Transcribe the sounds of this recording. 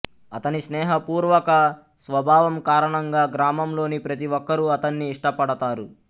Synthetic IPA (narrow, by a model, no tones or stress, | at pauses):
ɐt̪ɐnisnɛːɦɐpuːɾʋɐkɐ | sʋɐbʱaːʋɐmkaːɾɐɳɐŋɡaːɡɾaːmɐmlo̞ːnipɾɐt̪̬iʋɔkːɐɾuɐt̪ɐnːiːʂʈɐpɐɽɐt̪aːɾu